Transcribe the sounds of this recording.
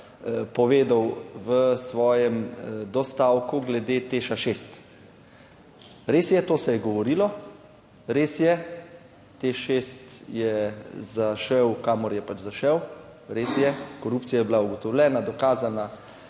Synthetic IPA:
pɔʋeːd̪awʋəsʋɔːjɛmd̪ɔst̪aːwkuɡlɛd̪et̪eːʃaʃest̪ | ɾeːsjɛt̪oːsɛjɛɡɔʋɔɾilɔ | ɾeːsjɛ | t̪eʃest̪jɛzaʃɛwkaːmɔɾjɛpat͡ʃzaʃɛwɾesjɛkɔɾuːpt̪t͡s̪sijajɛbilauɡɔt̪ɔwlʲɛːnad̪ɔkaːzana

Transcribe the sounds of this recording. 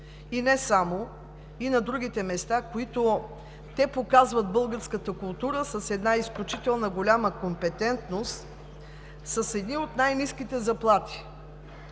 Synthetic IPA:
inɛsamo | inɐd̪ɾuɡ̟it̪ɛmɛst̪akoit̪o | t̪ɛpokazvət̪̚bɤlˠɡəɾskət̪əkʊlˠt̪uɾəsəsɛd̪naisklʲut͡ʃit̪ɛlˠnəɡolʲaməkompɛt̪ɛnt̪nost̪ | səsɛd̪niot̪najniskit̪ɛzɐplˠat̪i̥

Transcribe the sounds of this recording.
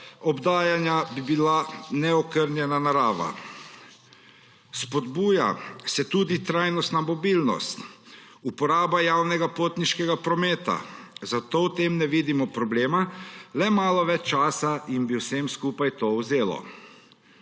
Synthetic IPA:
ɔbd̪aːjanjabibilanɛɔkəɾnjɛnanaɾaːʋa̰ | spɔd̪buːja̰sɛt̪uːd̪it̪ɾaːjnɔst̪namɔbilnɔ̰st̪ | upɔɾaːbajawnɛɡapoːt̪niʃkɛɡapɾɔmeːt̪a̰zat̪owt̪eːmnɛʋiːd̪imɔpɾɔbleːmalɛmaːlɔʋɛt͡ʃt͡ʃːaːsainbiwsemskuːpajt̪owzeːlɔ̰

